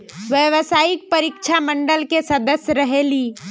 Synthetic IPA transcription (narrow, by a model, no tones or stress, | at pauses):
ʋjəʋsaːɪk̚pəɾikt͡ʃʰamə̃ɳɖəlkesɐd̪əsjɾɐɦeːliː